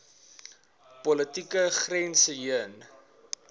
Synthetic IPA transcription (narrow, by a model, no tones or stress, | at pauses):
pɔlətikəχrɛnsəjiən